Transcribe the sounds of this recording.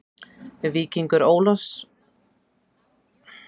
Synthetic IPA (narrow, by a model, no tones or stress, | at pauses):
viːciŋkʏɾoːwlɔs